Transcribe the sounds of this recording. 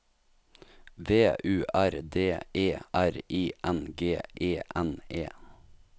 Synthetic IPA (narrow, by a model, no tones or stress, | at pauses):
ʋeːʔʉːʔæɾd̪eːʔeːʔæɾiːʔɛnɡeːʔeːʔɛneː